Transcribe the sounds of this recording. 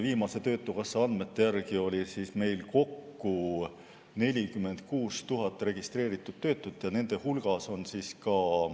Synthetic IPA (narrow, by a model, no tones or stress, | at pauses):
viːmɑse̞t̪ø̞ːt̪ːˑukɑsːɑɑnd̪me̞t̪ːe̞jærɡ̥io̞lʲisiːsme̞jlko̞kːu | ne̞lʲikymːe̞nd̪̥̚kuːst̪uɦɑt̪ːˑre̞ɡ̥ist̪ɾe̞ːɾit̪ːˑud̪̥t̪ːø̞ːt̪ːˑut̪ːˑjɑne̞nd̪̥e̞hulɡ̥ɑso̞nsiːskɑ